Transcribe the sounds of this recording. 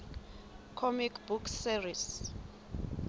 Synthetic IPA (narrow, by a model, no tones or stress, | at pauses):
kʰɔmikʰbukseris